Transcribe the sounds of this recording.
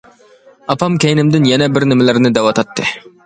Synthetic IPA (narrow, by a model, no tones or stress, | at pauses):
ɑpʰɑmkʲʰejnɪmd̪ɪnjɛnɛbɪɾnɪmɪlɪɾnɪd̪ɛwɑt̪ʰɑt̪ːɨ